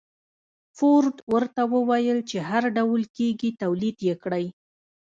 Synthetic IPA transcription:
foɾd̪wəɾt̪awəwajəlt͡ʃeɦaɾɖawlkeɡit̪awlid̪jekɽəj

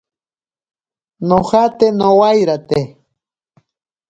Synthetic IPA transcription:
noχat̪enowajɾat̪e

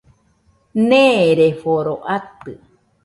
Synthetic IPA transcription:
nẽɾefoɾoʔat̪ɨ

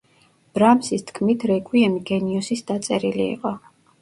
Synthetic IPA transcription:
b̥ɾamsist̪ʰkʰmit̪ʰɾɛkʼwiɛmiɡɛniɔsisd̪at̪sʼɛɾilḭːqʼɔ

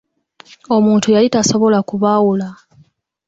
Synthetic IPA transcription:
o̞muːntujalitaso̞βo̞lakuβawula

